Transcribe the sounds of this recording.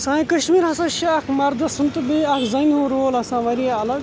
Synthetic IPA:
sãːjkɐʃmiːɾɦɐsɐʃaɐkʰmɐɾd̪ɐsunt̪ɨbiɐkʰzɐniɦũɾoːlɐsãːʋɐɾiɐlɐɡ

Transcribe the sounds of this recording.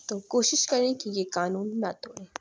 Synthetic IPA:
t̪okoːʃɪʃkɐɾẽkijekaːnuːnːɐt̪oːẽː

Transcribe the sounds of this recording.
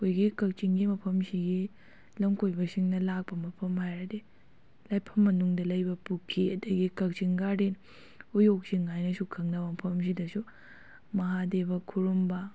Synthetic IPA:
kʰojɡikɐk̚t͡ʃiŋɡimɐpʰɐmsiɡi | lɐmkojbɐsiŋnɐlak̚pɐmɐpʰɐmhajɾɐde | lajpʰɐmːɐnuŋdɐlɐjbɐpukʰːiɐdɐɡikɐk̚t͡ʃiŋɡaden | ujok̚siŋajnɐsukʰɐŋnɐbɐmɐpʰɐms̬idɐsu | mɐɦadebɐkʰuɾumbɐ

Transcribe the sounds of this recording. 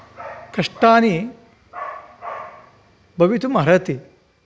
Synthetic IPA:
kɐʂʈaːni | bɐʋit̪umaɾɐt̪i

